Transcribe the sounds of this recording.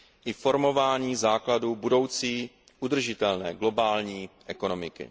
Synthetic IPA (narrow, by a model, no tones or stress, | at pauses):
ʔɪfo̞ɾmo̞vaːɲiːzaːkladubudo̞wt͡siː | ʔud̪r̩ʒɪt̪ɛlnɛːɡlo̞baːlɲiːʔɛko̞no̞mɪkɪ̰